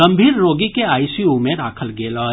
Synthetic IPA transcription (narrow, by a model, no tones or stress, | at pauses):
ɐ̃mbʱiːɾːoːɡikeaːisiumẽd̪aːkʰəlɡeːlɔː